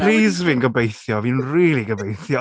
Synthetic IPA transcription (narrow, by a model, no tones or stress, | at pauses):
riːzviːnɡəbejθjɔviːnriːlˠiɡəbejθjɔ